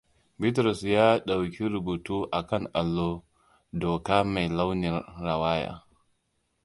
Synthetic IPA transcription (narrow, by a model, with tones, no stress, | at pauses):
bɪ˦t̬ɾɔ˨sjaː˦ɗa˨wkʲi˦ɾʊ˨buː˨tuː˦ʔa˨kɐ˦ŋʔa˨lːoː˦ | doː˨kaː˦ma˨jla˦wnɪ˨nɾa˨waː˦ja̰ː˨˦